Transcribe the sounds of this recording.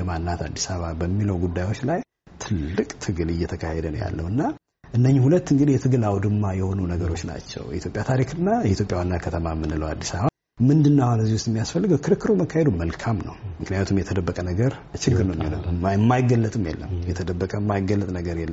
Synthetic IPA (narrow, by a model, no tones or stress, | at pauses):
jɛmanːat̪ʰa̰d̪ːisaβabəmːiləwɡud̪ːajwo̞t͡ʃːlaj | t̪ʰɨlːɨkʼt̪ʰɨɡɨlɨjːɛt̪ʰəkʰahed̪ənja̰lːəwɨnːa | ʔɨnːəɲːihulət̪ːɨŋɡɨd̪ijɛt̪ʰɨɡɨlawd̪ɨmːajɛho̞nunəɡəɾo̞t͡ʃːna̰t͡ʃːɛ̰wjɛ̰ʔit̪ʰjo̞pʼjat̪ʰaɾikʰɨnːajɛit̪ʰjo̞pʼjawanːakʰət̪ʰəmamːɨnːɨləwad̪ːisaβa | mɨnd̪ɨnːahonɨzːihust̪mːijasfəlːɨɡəwkʰɨɾɨkːɨɾuməkʰːahed̪uməlkʰamnə̰wmɨknɨjat̪ʰumjɛt̪ʰəd̪əbːəkʼənəɡəɾt͡ʃɨɡːɨɾnəwmjiləjɛmːajɡəlːət̪ʼɨmjɛ̰lːə̰mjɛt̪ʰəd̪əbːəkʼəmːajɡəlːət̪ʼnəɡəɾjɛlːəm